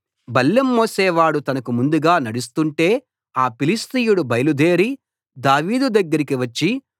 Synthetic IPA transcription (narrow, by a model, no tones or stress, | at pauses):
bɐlːɐmːoːseːʋaːɽut̪ɐnɐkumund̪uɡaːnɐɽust̪uɳʈe̞ː | aːpilist̪ijuɽubɐjɐlud̪e̞ːɾi | d̪aːʋiːd̪ud̪ɐɡːɐɾikiʋɐt͡ʃːi